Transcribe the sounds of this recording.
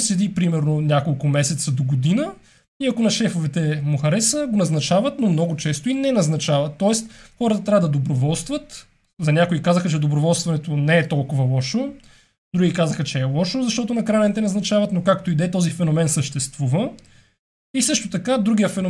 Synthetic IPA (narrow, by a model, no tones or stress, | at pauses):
sɛd̪ipɾimɛɾnonʲjakolˠkʊmɛsɛt̪səd̪oɡod̪inə | iɐkonɐʃɛfovɛt̪ɛmoxɐɾɛsəɡonɐznɐt͡ʃavɐt̪nomnɔɡot͡ʃɛst̪oinɛnɐznɐt͡ʃavɐt̪ːɔɛst̪xɔɾət̪ət̪ɾavəd̪ɐd̪obɾovɔlˠst̪vɐt̪ | zɐnʲakoikazəxət͡ʃɛd̪obɾovɔlˠst̪vɐnɛt̪onɛːt̪ɔlˠkʊvɐlˠɔʃo | d̪ɾuɡʲikazəxɐt͡ʃɛːlˠɔʃozɐʃt̪ɔt̪ʊnɐkɾanɛɛt̪ɛnɐznɐt͡ʃavɐt̪nokak̚t̪oid̪ɛt̪ɔzifɛnomɛnsəʃt̪ɛst̪vuvə | isɤʃt̪ot̪ɐkad̪ɾuɡʲijəfɛno